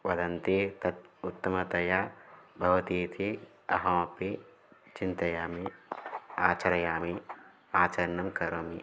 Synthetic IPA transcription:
ʋɐd̪ɐnt̪it̪ɐt̪̚ut̪ːɐmɐt̪ɐjabʱɐʋɐt̪iːt̪ʰi | ɐ̰ɦɐ̃ːɐpi | t͡ʃint̪ɐjaːmi | aːt͡ʃɐɾɐjaːmi | aːt͡ʃɐɾɐnɐmkɐɾomi

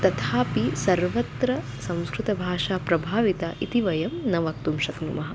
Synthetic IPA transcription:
t̪ɐt̪ʰaːpisɐɾʋɐt̪ɾɐ | sɐ̃w̃skɾut̪ɐbʱaːʂaːpɾɐbʱaːʋit̪aʔit̪iʋɐjɐmnɐʋɐk̚t̪umʃɐknumɐɦɐ̆

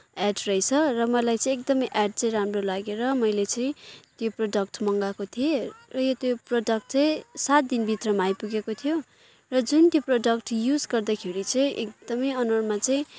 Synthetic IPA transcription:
ɛɖrʌjt͡sʰʌrʌmʌlajt͡sʌ̃ĩek̚d̪ʌmʌjʔaɖ̚t͡sʌĩɾamrolaɡeɾʌmʌjlet͡sʌĩt̪joproɖʌk̚ʈmʌŋɡakot̪ʰierʌjʌt̪joproɖʌkʈt͡sʌj̃sat̪̚d̪inbʱit̪rʌmaajpuɡekot̪ʰijo | rʌd͡zunt̪joproɖʌk̚ʈjud͡zɡʌrd̪ʌkʰeɾit͡sʌĩʔek̚d̪̥ʌmʌjʌnʌrmat͡sãĩ

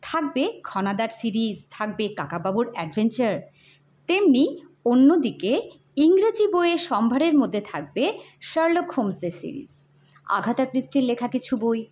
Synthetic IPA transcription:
t̪ʰak̚bekʰɔnad̪aɾsiɾizt̪ʰak̚bekakababuɾɛɖbʱent͡ɕaɾ | t̪emni | onːod̪ike | iŋɾad͡ʑiboeeʃɔmbʱaɾeɾmod̪ʱːet̪ʰak̚be | ʃəɾlokʰhomseɾsḭɾḭz | a̰ɡʱat̪aɾpɾisʈiɾlekʰakit͡ɕʰuboj

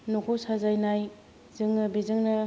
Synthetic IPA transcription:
nokʰosazajnaj | zɯŋnɐbizɯŋnɐ

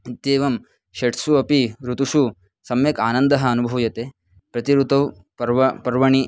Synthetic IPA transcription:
it̪jeːʋɐm | ʃɐʈsuɐpiɾut̪uʂu | sɐmjɐkaːnɐnd̪ɐɦɐːnubʱɐʋjɐt̪eː | pɾɐt̪iɾut̪ɐw | pɐɾʋɐpɐɾʋɐɳi

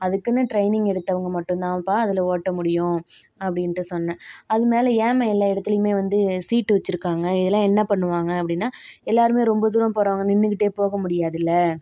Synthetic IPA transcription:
ɐðɯkːɯnːɯʈɾɐɪnɪŋɛɽɯt̪ːɐʋɐŋɡɐmɐʈːɯ̃t̪ãːpaːɐðɪlɐoːʈːɐmʊɽɪjʊ̃ | ɐpːɐɽɪnrɯsɔnːɐ̃ɐðɯmeːlɐjeːmɐɛlːaːɪɽɐt̪ːɪlɐjmeːʋɐnd̪ɯsiːʈːɯʋɐt͡ʃːɯɾɯkːaːŋɡɐɪðɐlːãːɛnːɐpɐɳːɯʋaːŋɡɐɐpːɐɽɪnːaːɛlːaːɾɯmeːɾɔmbɐd̪uːɾɐmpoːɾɐːŋɡɐnɪnːɯkɪʈːeːpoːɣɐmʊɽɪjaːðɪlːɐ

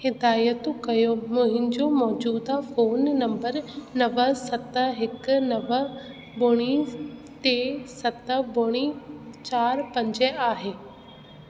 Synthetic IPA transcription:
hɪd̪aːjət̪kɐjomʊ̃ɦɪ̃n̆d͡ʑomɔːd͡ʑuːd̪afoːnːɐ̃mbəɾnɐʋəsɐt̪əɦɪkʊ̆nɐʋə | bʊɽ̃i | t̪eːsɐt̪əbʊɽ̃it͡ɕaːɾpɐ̃ɲd͡ʑəaːɦeː

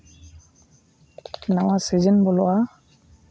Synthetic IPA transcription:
nawasizenbɔlʊa

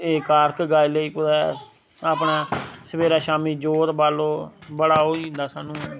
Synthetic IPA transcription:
eːkaːɾkɡaːiːləiːpʊd̪ɛː | aːpɳaːsəbeːɾaːʃaːmiːd͡ʒoːɾbaːloːbəɽaːɦoːind̪aːsaːnũː

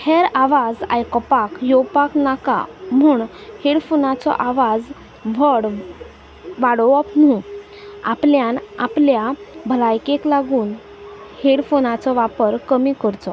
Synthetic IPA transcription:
heɾaʋad͡za̰jkɔpakjowpaknaka̰m̤uːɳheɽfonat͡sɔ̰ʔaʋad͡z | ʋəɽ | ʋaɽɔɔpnũ | a̰pljanapljabʱəlajkeklaɡuːn | heɽfonat͡sɔʋapəɾkəmikəɾt͡sɔ

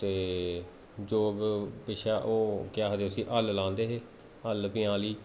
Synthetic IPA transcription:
t̪eː | d͡ʒoːbpɪʃaːʔoːkɪjaːɦəd̪eːʊsĩːʔəllãːnd̪eːɦeː | əlpɪjãːliː

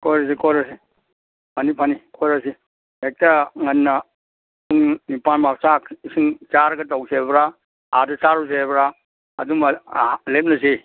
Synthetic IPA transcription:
kojɾas̬ikɔjɾas̬i | pʰanipʰanikʰɔjɾasi | ek̚taŋɐnːa | uŋnipanmak̚sak̚isiŋt͡ʃaɾɡɐtawsebɾa | adɐsaɾus̬ebɾaː | dumlep̚nɐsi

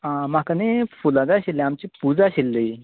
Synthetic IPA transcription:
amakanefulad̪aɕilːeamt͡ɕipud͡zaɕilːə

